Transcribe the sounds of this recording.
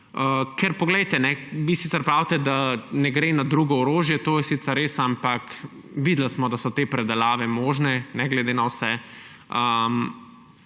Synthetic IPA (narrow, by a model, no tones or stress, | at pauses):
əkɛɾpɔɡlɛjt̪ɛnɛʋisiːsɛɾpɾawt̪ɛd̪anɛɡɾenad̪ɾuɡɔɔɾoːʒjɛt̪oːjɛsit̪ɛɾːeːsampɐk | ʋid̪lasmɔd̪asɔt̪eːpɾɛd̪ɛlaːʋɛmoːʒnɛnɛɡlɛd̪eːnawsɛ | əm